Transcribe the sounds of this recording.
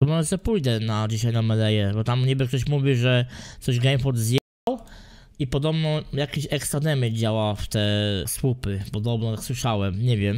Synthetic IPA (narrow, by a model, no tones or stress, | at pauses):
t̪ɔmɔʐɛsɛpujd̪ɛnad͡ʑiɕajnamɛlɛjɛbɔt̪amɡɲibɘk̚t̪ɔɕ̬muvʲiʐɛt̪sɔʑɡɛjmfɔɾd̪zʲjɛ | aw | ipɔd̪ɔbnɔjakʲeɕɛkst̪ɾad̪ɛmɛd͡ʑawaft̪ɛswupɘpɔd̪ɔbnɔt̪akswɘʂawɛmɲɛvʲjɛm